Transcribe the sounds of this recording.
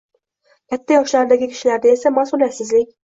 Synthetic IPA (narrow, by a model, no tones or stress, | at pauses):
kʲʰat̪ʰːajɒʃlaɾd̪aɡʲɪkʲʰi̥ʃilaɾd̪ae̞samasulasɪzlɪkʲ